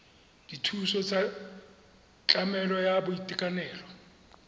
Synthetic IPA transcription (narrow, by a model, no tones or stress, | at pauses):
d̥itʰusɔt͡sʼa | t͡ɬʼamɛlɔjabʊitʼikʼanɛːlɔ